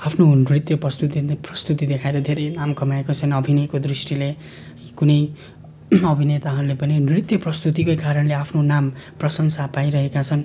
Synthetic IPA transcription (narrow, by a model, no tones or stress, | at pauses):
apʰnonrit̪jʌprʌst̪ut̪iprʌst̪ut̪id̪ekʰaeɾʌd̪ʱeɾʌjnamkʌmaekot͡sʰʌnʌbʱinekod̪risʈile | kunʌj | ʌbʱinet̪aɦʌɾulepʌninrit̪jʌprʌst̪ut̪̬ikojkaɾʌnleapʰnonamprʌsʌŋsapajɾʌɦekat͡sʰʌn